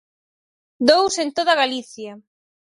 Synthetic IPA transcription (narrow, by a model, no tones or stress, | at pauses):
d̪owsẽnt̪oðɐɣaliθja